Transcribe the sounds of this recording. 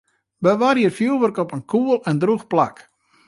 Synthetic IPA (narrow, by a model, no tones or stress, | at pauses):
bəʋarjərfjulˠʋərkɔpənkʰuəlˠɛndruxplak